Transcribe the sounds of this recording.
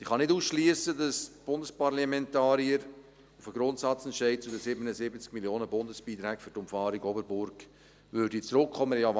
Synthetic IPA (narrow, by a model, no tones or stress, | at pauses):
d̥iχɑnɪtuːsʃliəsədɑsb̥ʊndəspɑrlɑmɛntɑːɾiəɾ | ufəɡ̥ɾʊntsɑt͡sɛntʃɛɪd̚t͡sudəsɪbənəzɪbət͡skmiljoːnəbʊndəsb̥iːt̪ɾɛːkfʏɾtʊmfɑːɾiɡɔbəɾbʊɾɡ | ʋʏɾdit͡sɾʊkχɔməjɑ